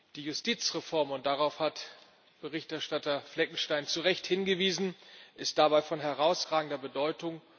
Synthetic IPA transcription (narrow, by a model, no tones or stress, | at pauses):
d̥iːjʊstʰiːt͡sʁɛfɔɐmʊnt̚d̥aʁaʊfhat | b̥əʁɪçtɛɐʃtatɐflɛk̚ŋ̩ʃtaɪnt͡suʁɛçthɪnɡəviːzn̩ʔɪst̚d̥abaɪfɔnɦɛʁaʊsʁaːɡŋ̩dɐbədɔʏtʊŋ